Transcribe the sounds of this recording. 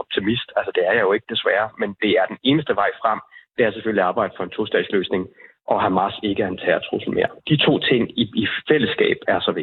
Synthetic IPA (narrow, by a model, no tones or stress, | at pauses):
ɒb̥̚t͡sʰimisd̥ælsəd̥e̝æɐjɑ̈jo̝e̝ɡ̥əd̥e̝sʋæːɐmend̥e̝æɐd̥ene̝ːnəsd̥əʋɑ̈ɪ̰fʁɑm̰d̥eæɐseføl̰iɑ̈ːb̥ɑ̈ɪ̰d̥ə̥fɒ̽e̝nt͡sʰosd̥ɛ̰̥ːsløːsne̝ŋ | ʔɒ̽ɦæmɑ̈se̝ɡ̥əænt͡sʰɛ̰ːɐt͡sʰʁṵsln̩me̝ɐ̰d̥it͡sʰo̝̰ːt͡sʰe̝ŋ̰iifel̰əsɡ̥ɛ̰ːb̥æɐsɒ̽ʋe